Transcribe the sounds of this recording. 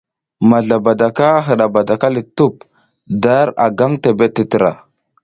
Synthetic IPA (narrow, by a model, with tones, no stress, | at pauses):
ma˨ɮa˨ba˨da˨ka˦ɦə˨ɗa˨ba˨da˨ka˦li˨tu˦p̚ | da˦ɾa̰˨ɡa˦ŋte˨be˦ti˨tə˨ɾa̰˨